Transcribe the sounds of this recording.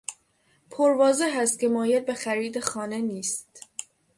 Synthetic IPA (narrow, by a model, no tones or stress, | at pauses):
pʰoɾvɒːzeɦæst̪̚cʲe̞mɒːjed̪̚bexæɾiːd̪exɒːne̞niːst̪